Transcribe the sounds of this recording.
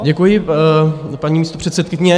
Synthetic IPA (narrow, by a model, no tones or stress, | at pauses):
ɟɛkujɪ | paɲiːmiːst̪opr̝̥ɛt̪sɛt̪kɪɲɛ